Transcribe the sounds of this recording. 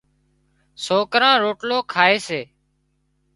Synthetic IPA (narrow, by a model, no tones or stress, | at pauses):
soːkɾãːɾoːʈloːkʰaːeːseː